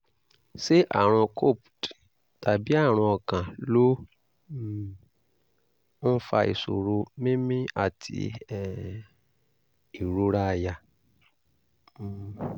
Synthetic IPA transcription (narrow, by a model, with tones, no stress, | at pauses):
se˦ʔa̰˦˨ɾ̃ɔ̃˧kʰo˦˨pt | ta˨bi˨˦a˦˨ɾ̃ɔ̃˧ɔ˧˨kã˨lo˦ | ɔ̃˦fa̰˧ḭ˨so̰˨ɾo˧mĩ˦mĩ˦a̰˦˨tʰḭ˨˧ɛ˦˨ | i˨ɾu˧ɾa˦˧˨ja˧˨